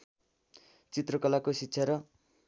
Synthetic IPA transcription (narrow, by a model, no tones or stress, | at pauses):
t͡sit̪rʌkʌlakositːɕʰʌɾʌ